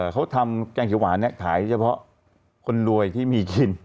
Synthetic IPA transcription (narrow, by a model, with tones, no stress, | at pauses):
kʰa˦˥wt̪ʰa˧mkɛː˧ŋkʰi˩˦waː˩˦nːɛ˦˥˩k̚t̪ʰaː˩˦jt͡ɕʰa˧pʰɔ˦˥ʔ | kʰo˧nɾu˧əjt̪ʰiː˥˩miː˧ki˧n